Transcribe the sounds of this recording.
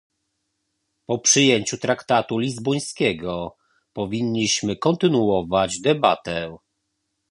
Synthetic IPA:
pɔpʂɘjeɲt͡ɕut̪ɾakt̪at̪ulʲizbɔj̃skʲɛɡɔ | pɔvʲiɲːiɕmɘkɔnt̪ɘnuɔvad͡ʑd̪ɛbat̪ɛ

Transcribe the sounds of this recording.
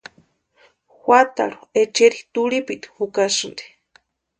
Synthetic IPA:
hʷwat̪a̰ɺuet͡ʃeɾit̪uɽipit̪i̥hukasɨnd̪e̥

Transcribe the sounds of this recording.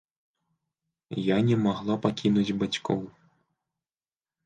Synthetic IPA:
janʲɛmaɣlˠapakʲinud͡zʲbat͡sʲkɔw

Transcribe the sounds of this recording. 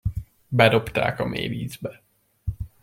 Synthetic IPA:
bɛd̪o̞pt̪a̰ːkɒmḛːviːzbɛ

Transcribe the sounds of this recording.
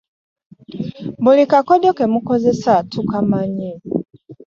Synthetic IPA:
bulikakodokemukozesatukamaɲi

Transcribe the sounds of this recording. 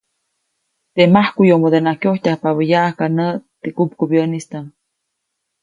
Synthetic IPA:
t̪emahkujomod̪enakjoht̪ʲahpaβəjaʔahkanəʔt̪ekup̚kubjənist̪a

